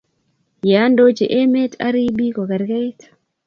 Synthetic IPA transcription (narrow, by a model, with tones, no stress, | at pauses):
ja˨˦ndo˦t͡ʃe˨ʔe˦me˦tʰa̰˦ɾi˦bi˦ko˨ka˨ɾɡa˦jt